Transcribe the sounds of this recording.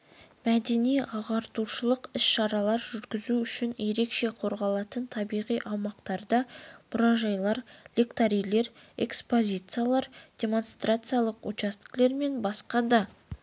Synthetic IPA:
mæd̪e̞nijɑʁɑɾt̪uʃəlˠəqɪsʃɑɾɑlˠɑɾʒʏɾɡʲɪzuʏʃɪnje̞ɾe̞kʃe̞qʰo̞ɾʁɑlˠɑt̪ənt̪ʰɑbijʁijʔɑmɑqt̪ɑɾd̪ɑmʊɾɑʒɑjlˠɑɾlekt̪aɾijle̞ɾ | e̞̰kspo̞zʲijt̪sɨjalˠɑɾd̪̥ʲe̞mo̞nst̪rat̪sɨjalˠəqwot͡ʃast̪ə̥kle̞ɾme̞nbɑsqɑd̪ɑ

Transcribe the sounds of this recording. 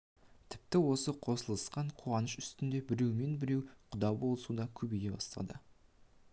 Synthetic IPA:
t̪ʰɪ̥p̚t̪ɪwo̞səqʰo̞səlˠəsqɑɴqʰuɑnəʃʏ̥st̪ɪnd̪e̞bɪɾe̞wme̞nbɪɾe̞wqʰʊd̪ɑbo̞lˠəsud̪ɑkʲʰɵbejʲebɑst̪ɑ̰d̪ə

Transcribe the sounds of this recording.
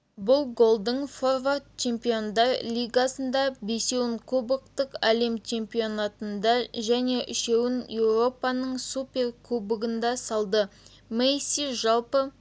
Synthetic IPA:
bʊlˠɡo̞lˠd̪əɴfo̞rvart̪̚t͡ʃʰe̞mpio̞nd̪ɑɾlʲijɡɑsənd̪ɑbese̞wɪɴkʰɵbək̚t̪əkæle̞mt͡ʃʰe̞mpio̞nɑt̪ənd̪ɑʒæne̞ʔɪʃewɪnje̞wro̞pɑnəɴsupʲe̞rkʰɵbəɡɪnd̪ɑsɑlˠd̪ə | mejsiʒɑlˠpə

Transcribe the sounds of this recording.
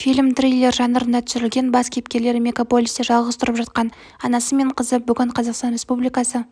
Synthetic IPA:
fijlmt̪rijlʲˠːe̞ɾʒɑnəɾənd̪ɑt̪ʰʏsʏɾɪlɡʲe̞nbɑskʲe̞pkʲe̞ɾle̞ɾɪmʲeɡopo̞lʲist̪eʒɑlˠʁəzt̪ʰʊɾəpʒɑt̪̚qɑn | ɑnɑsəme̞ɴqʰəzəbʏɡʲɪɴqʰɑzɑqst̪ɑnɾʲe̞spublijkɑsə

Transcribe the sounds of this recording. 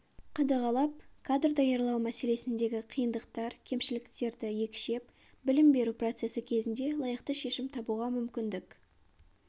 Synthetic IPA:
qʰɑd̪ɑʁɑlˠɑp̚kʰad̪rd̪ɑjɑɾlˠɑwmæse̞le̞sɪnd̪e̞ɡʲɪqʰijənd̪əqt̪ɑɾkʲʰe̞mʃɪlɪkt̪e̞ɾd̪ɪje̞kʲʃe̞p̚ | bɪlɪmbe̞ɾupro̞t̪se̞sɪkʲʰe̞zɪnd̪e̞lˠɑjəqt̪əʃe̞ʃɪmt̪ʰɑbuʁɑmʏmkʲɪnd̪ɪk

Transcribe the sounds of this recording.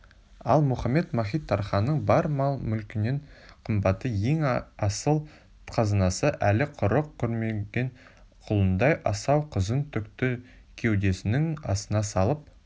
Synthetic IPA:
ɑ̰lˠmʊχɑmːe̞t̪mɑχʲijt̪ʰːɑɾχɑnːəɴbɑɾmɑlˠmʏlkʲɪne̞ɴqʰəmbɑt̪ːəje̞ŋɑsəlˠ | qʰɑzɑnɑsəʔælɪqʰʊɾəqkʲʰɵɾmeɡʲe̞ɴ | qʰʊlˠənd̪ɑjʔɑsɑwqʰəzənt̪ʰʏkt̪ɪ | kʲʰe̞wd̪e̞sɪnɪŋɑ̰sənɑsɑlˠəp̚

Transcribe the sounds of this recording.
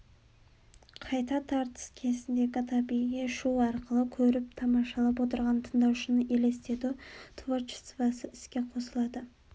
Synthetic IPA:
qʰɑjt̪ɑt̪ʰɑɾt̪ə̥skʲʰe̞zɪnd̪e̞ɡʲɪt̪ʰɑbiɡʲeʃuɑɾqəlˠəkʲʰɵɾɪp̚t̪ʰɑmɑʃɑlˠɑp̬wo̞t̪əɾʁɑnt̪ʰənd̪ɑwʃənəʔe̞le̞st̪e̞d̪ut̪ʰvort͡ʃɪ̥svɑsəɪskʲe̞qʰo̞səlˠɑd̪ə

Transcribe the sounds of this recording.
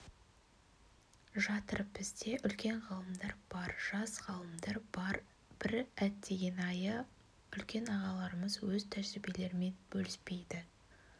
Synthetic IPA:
ʒɑt̪əɾəp̚bɪzd̪e̞ʔʏlkʲe̞ɴʁɑlˠəmd̪ɑɾb̥ɑɾʒ̥ɑsʁɑlˠəmd̪ɑɾbɑɾ | b̥ɪɾæt̪ːe̞ɡʲe̞nɑjə | ʏlkʲe̞nɑʁɑlˠɑɾəməzwɵzt̪ʰæʒɪɾɪbe̞le̞ɾɪme̞nbɵlɪspe̞jd̪ɪ

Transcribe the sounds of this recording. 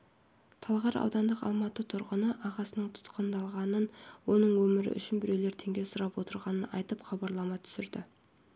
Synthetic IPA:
t̪ʰɑlˠʁɑɾɑ̰wd̪ɑnd̪əqɑ̰lˠmɑt̪ət̪ʰʊɾʁənəʔɑʁɑsənəɴt̪ʰʊ̥t̪qənd̪ɑlˠʁɑnənwo̞nəɴwɵmɪɾɪ̰ʔʏ̰ʃɪnbɪɾe̞wleɾt̪ʰe̞ŋɡʲe̞sʊɾɑpwo̞t̪əɾʁɑnənɑ̰jt̪əpχɑbɑɾlˠɑmɑt̪ʰʏ̥sɪɾd̪ɪ̰

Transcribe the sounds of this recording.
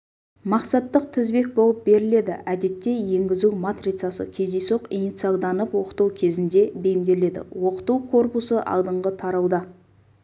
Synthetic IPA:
mɑqsɑt̪ːəq̚t̪ʰɪzbe̞k̚bo̞lˠəp̚be̞ɾɪle̞d̪ɪ̰ʔæd̪e̞t̪ːe̞je̞ŋɡʲɪzuwmat̪rit̪sasə̰kʲʰe̞zd̪esoqinit̪sijalˠd̪ɑnəpwo̞qə̥t̪uwkʲʰe̞zɪnd̪e̞be̞jɪmd̪e̞le̞d̪ɪ̰wo̞qə̥t̪uwkʰo̞rpusəʔɑ̰lˠd̪əɴʁət̪ʰɑɾɑwd̪ɑ

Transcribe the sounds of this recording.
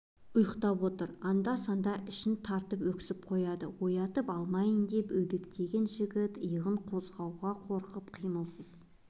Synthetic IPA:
ʊjəqt̪ɑpwo̞t̪əɾɑnd̪ɑsɑnd̪ɑʔɪʃɪnt̪ʰɑɾt̪əpwɵkʲɪ̥sɪp̚qʰo̞jɑd̪əwo̞jɑt̪əpɑlˠmɑjənd̪e̞pɵbe̞kt̪e̞ɡʲe̞nʒɪɡʲɪt̪əjəʁəɴqʰo̞zʁɑwʁɑqʰo̞ɾqəpqʰijməlˠsəz̥

